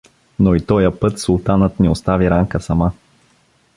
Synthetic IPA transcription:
noit̪ɔjəpɤt̪sulˠt̪anət̪nɛost̪aviɾaŋkəsɐma

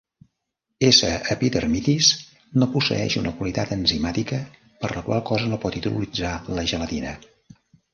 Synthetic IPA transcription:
esəːpiðərmit̪is | nopusə̰ɛ̰ʃunəkwəlit̪at̪ənzimat̪ikə | pəɾləkwa̰lˠkɔzənopɔt̪it̪ṵṵlid͡zaləʒələt̪inə

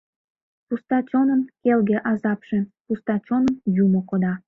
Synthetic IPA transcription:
pust̪ɑt͡ɕonənkelɣeʔɑzɑpʃepust̪ɑt͡ɕonəmjumokod̪ɑ

